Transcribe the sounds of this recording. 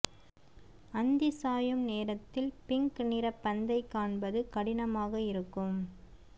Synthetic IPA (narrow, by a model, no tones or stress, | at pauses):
ɐnd̪ɪsaːjɯmneːɾɐt̪ːɪlpɪŋknɪɾɐpːɐnd̪ɐɪkaːɳbɐðɯkɐɽɪnɐmaːɣɐɪɾɯkːɯm